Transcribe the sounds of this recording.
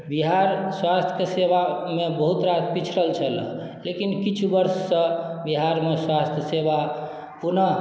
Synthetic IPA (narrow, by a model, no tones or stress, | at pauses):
biɦaɾswast̪ʰəkesebamebəɦut̪ɾat̪pit͡ʃʰɾəlt͡ʃʰələ̰ | lekinkit͡ʃʰubəɾsːə̃biɦaɾmeswast̪ʰjəseba | punə